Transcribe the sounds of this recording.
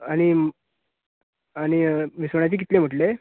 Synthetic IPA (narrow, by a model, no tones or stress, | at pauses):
añi | añiʋisʋəɳat͡ɕiːkit̪lem̤əʈle